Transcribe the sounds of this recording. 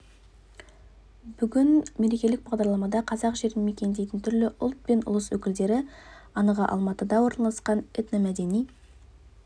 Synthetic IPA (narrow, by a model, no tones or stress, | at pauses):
b̥ʏɡʲɪnme̞ɾe̞kʲe̞lɪk̚bɑʁd̪ɑɾlˠɑmɑd̪ɑqʰɑzɑqʒe̞ɾɪnme̞kʲe̞nd̪e̞jt̪ɪnt̪ʰʏɾlɪʔʊlˠt̪̚pe̞nʊ̰lˠəswɵkʲɪld̪e̞ɾɪɑnəʁəʔɑ̰lˠmɑt̪əd̪ɑwo̞ɾnɑlˠɑsqɑnɪt̪nəmæd̪e̞nij